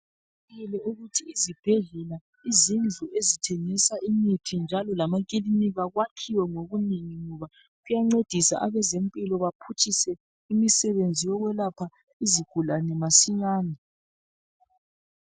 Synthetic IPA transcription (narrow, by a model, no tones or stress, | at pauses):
ilɛuɣutʰiːzib̥ʱɛɮɛla | izind͡ɮʱuʔezitʰɛŋisaʔimitʰind͡ʒʱalɔlamaɣ̬ʼiliniɣaɣwakʰiwɛŋoɣuneŋiŋɔβa | ɣujaŋ͡ǀed̥ʱisa̰ʔaβɛzempʼilɔβapʰut͡ʃʰʼisɛ | imisɛβend͡zʱijɔɣwɛlapʰa | iziɡ̥ʱulanɛmasiɲaːnɛ